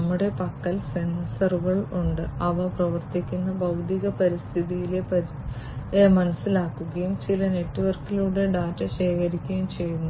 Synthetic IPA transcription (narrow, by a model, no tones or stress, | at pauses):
ɐmːuɽe̞pɐkːɐlsensɐruɣɐɭuɳɖɨɐʋɐprɐʋɐrt̪ikʲːunːɐbɐwd̪ʱiɣɐpɐɾist̪ʰiðijilepɐ | mɐnɐsːilaːkːuɣɐjumt͡ɕilɐne̞ʈːuʋɐrkiluːɽe̞ɖaːtːɐɕe̞ːkɐɾikʲːɐjumt͡ɕe̞jːunːu